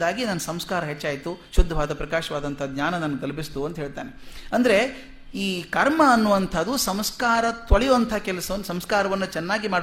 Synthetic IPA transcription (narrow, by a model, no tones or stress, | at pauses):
aːɡinɐnːɐsɐmskaːɾɐɦet͡ʃːaːjt̪uʃud̪ʱːɐʋaːd̪ɐpɾɐkaːʃɐʋaːd̪ɐnt̪ʰɐɡɲaːnɐnɐnːuɡ̪ɐlɐbist̪uɐnt̪ɐɦeːɭt̪a̰ːneɐnd̪ɐɾe̞ | iːkɐɾmɐːnːuʋɐnt̪ʰɐd̪usɐmskaːɾɐt̪ʋɐɭɛjuʋɐnt̪ʰɐɐkɛlɐsɐʋɐnːsɐmskaːɾɐʋɐnːut͡ʃɛnːaːɡimaːɽ